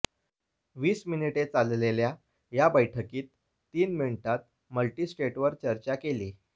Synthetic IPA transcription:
ʋiːsminiʈet͡sallelja | jabəjʈʰəkiːt̪ː | iːnmiɳʈ̪at̪̚ | məlʈisʈeʈʋəɾt͡ɕəɾt͡ɕakeli

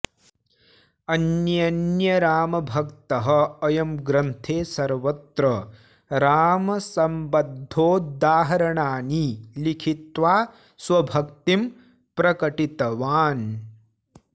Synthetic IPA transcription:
ɐnjɐnjɐɾaːmɐbʱɐkt̪ɐɦɐ̆ɐjɐmɡɾɐnt̪ʰeːsɐɾʋɐt̪ɾɐ | ɾaːmɐsɐmbɐd̪ʱːoːd̪aːɦɐɾɐɳaːnilikʰit̪ʋaː | sʋɐbʱɐk̚t̪im | pɾɐkɐʈit̪ɐʋaːn

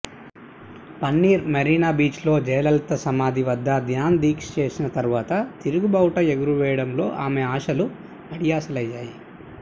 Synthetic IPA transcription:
pɐnːiːɾmɐɾiːnaːbiːt͡ʃlo̞ːd͡ʒɛːlɐlt̪ɐsɐmaːd̪iʋɐd̪ʱːɐd̪jaːnd̪iːkst͡ʃe̞ːsinɐt̪ɐɾuʋaːt̪ɐt̪iɾuɡubɐwʈɐeɡuɾuʋɛːjɐɽɐmlo̞ːʔaːmeaːʃɐlu | ɐɽijaːsɐlɐjːaːji

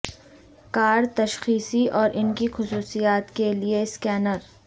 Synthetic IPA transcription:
kaːɾt̪ɐʃxiːsiʔɔːɾʔɪnkixʊsuːsijaːt̪kelieskɛːnəɾ

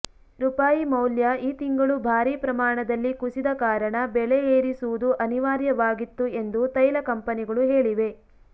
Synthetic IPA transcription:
ɾupaːjimɐwljɐiːt̪iŋɡɐɭubʱaːɾiːpɾɐmaːɳɐd̪ɐlːikusid̪ɐkaːɾɐɳɐbɛɭeeːɾisuʋud̪uʔɐniʋaːɾjɐʋaːɡit̪ːue̞nd̪ut̪ɐjlɐkɐmpɐniɡɐɭuɦe̞ːɭiʋe̞

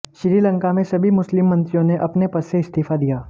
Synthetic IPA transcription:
ʃɪɾiːlə̃ŋkamẽsɐbʱimʊslɪmːɐ̃nt̪ɾijõneʔɐpnepɐsseɪst̪iːfad̪ijaː

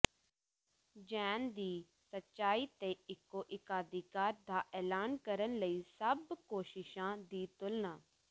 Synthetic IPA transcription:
d͡ʒɛːnd̪iː | sətːʃaːiːt̪eːɪkːoːʔɪkaːd̪ʱɪkaːɾd̪aːʔɛːlaːnkəɾənləiːsəbkoːʃɪʃãːd̪iːt̪ʊlnãː

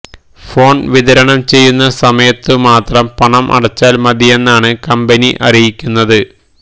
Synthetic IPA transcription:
fo̞ːɳʋiðɐɾɐɳɐmt͡ɕe̞jːunːɐsɐmɐjɐt̪ːɨmaːt̪rɐmpɐɳɐmʔɐ̰ɽɐt͡ɕːaːlmɐðije̞nːaːɳɨkɐmbɐniʔɐrijikʲːunːɐðɨ

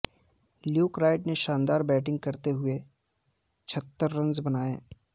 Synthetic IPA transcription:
ljuːkɾaːɪʈneʃãːnd̪aːɾbɛːʈɪ̃ŋɡ̚kɐɾt̪eɦʊe | t͡ʃʰɐt̪ːəɾːɐ̃nzbɐnaːḛː

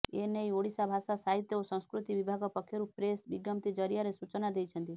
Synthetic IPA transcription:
enejoɽisabʱasasaɦit̪jɔosɔ̃w̃skɾut̪ibibʱaɡɔpɔkʰːjɔɾupɾesbiɡɔmt̪id͡ʒɔɾjaɾesut͡ʃɔnad̪ejt͡ʃʰɔnt̪i

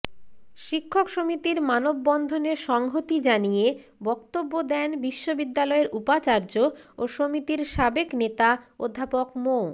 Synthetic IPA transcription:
ʃikʰːokʃomit̪iɾmanobːɔnd̪ʱoneɾʃɔŋɦot̪id͡ʑanije | bɔkt̪obːod̪ɛnbiʃːobid̪ːalɔeɾupat͡ɕaɾd͡ʑooʃomit̪iɾʃabeknet̪ao̰d̪ʱːapokmo

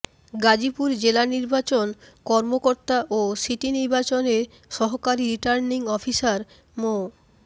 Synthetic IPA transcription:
ɡad͡ʑipuɾd͡ʑelaniɾbat͡ɕonkɔɾmokoɾt̪aʔosiʈiniɾbat͡ɕoneɾ | ʃɔɦokaɾiɾiʈaɾniŋɔfisaɾ | mo

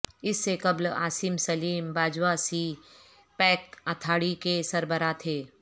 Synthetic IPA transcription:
ɪsːekɐbla̰ːsimsɐliːmbaːd͡ʒwasi | pɛːk̚at̪ʰaːɽikesɐɾbəɾat̪ʰeː

